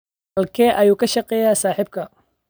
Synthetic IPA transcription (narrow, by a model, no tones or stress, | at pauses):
ɐlkʰɛːʔɐjuːkʰɐʃɐqɛːjaːsaːħɪb̚kʰɐ